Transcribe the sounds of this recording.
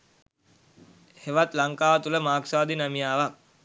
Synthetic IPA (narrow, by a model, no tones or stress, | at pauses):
heʋat̪laŋkaːʋət̪uləmaːksaːd̪inamijaːʋa